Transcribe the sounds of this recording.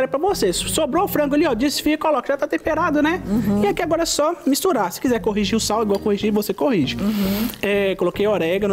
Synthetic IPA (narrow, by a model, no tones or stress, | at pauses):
ɾepɾɐvosessobɾoʊfɾɐ̃ɡʊeliɔd͡ʒisɪ̥fiɐkolɔkɐʒat̪at̪ẽmpeɾad̪ʊnɛɪakiaɡɔɾɐɛsɔmist̪uɾasɪ̥kizɛɾkoɦiʒiʊsawiɡwawkohiʒiɾvosekohiʒɪ | ɛkolokejoɾɛɡɐn